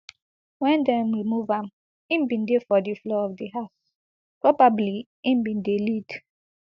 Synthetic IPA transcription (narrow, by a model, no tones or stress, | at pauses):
wɛ̃ndɛmwimuvãm̩ | ĩmbĩndefɔdiflɔɔvdiɦaʊs | pɹɔbabli | ĩmbĩndelid